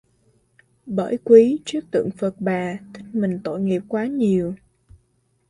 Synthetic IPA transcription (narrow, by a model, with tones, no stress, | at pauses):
ɓə̰ː˧˩˨jkwi˨˦t͡ɕɨ˦˥ək̚t̪ɨ̰˧˨əŋfə˨˩t̚ɓaː˨˩t̪ʰï˦˥k̟̚mï˨˩ŋ̟t̪o̰˧˨jŋi˨˩əp̚kwaː˨˦ɲi˨˩əw